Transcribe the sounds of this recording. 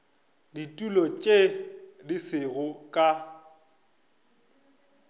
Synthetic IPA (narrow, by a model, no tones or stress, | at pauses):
ditʼulɔt͡ʃʼedɪsɪɣʊkʼa